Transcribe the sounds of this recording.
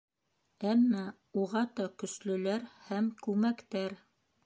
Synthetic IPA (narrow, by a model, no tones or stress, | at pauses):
æmːæ | uʁɑt̪ɑkɵ̆slɵ̆læɾhæmkʉmækt̪æɾ